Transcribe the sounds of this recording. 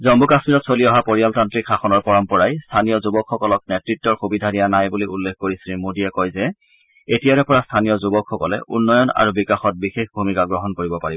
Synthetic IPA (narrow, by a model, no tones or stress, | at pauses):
zɔmbukasmiɹɔtsoliɔɦapoɹijaltantɹikxaxɔnɔɹpɔɹɔmpɔɹajstʰanijɔzubɔkxɔkɔlɔk̚nɛtɹitːɔɹxubidʱadijanajbuliulːekʰkoɹisilmodiɛkɔjzɛ | etijaɹɛpɔɹastʰanijɔzubɔkʰxɔkɔlɛ̰ʔṵnːɔjɔna̰ɹubikaxɔt̚bixexbʱumikaɡɹɔɦɔnkoɹibɔpaɹibɔ